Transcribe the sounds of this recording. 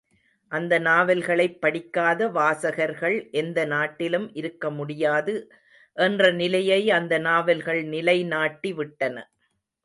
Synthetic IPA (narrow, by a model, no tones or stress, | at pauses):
ʔɐnd̪ɐnaːʋɐlɣɐɭɐɪpːɐɽɪkːaːðɐʋaːsɐɣɐɾɣɐɭʔɛnd̪ɐnaːʈːɪlɯmʔɪɾɯkːɐmʊɽɪjaːðɯ | ʔɛndrɐnɪlɐjɐɪɐnd̪ɐnaːʋɐlɣɐɭnɪlɐɪnaːʈːiʋɪʈːɐnɐ̰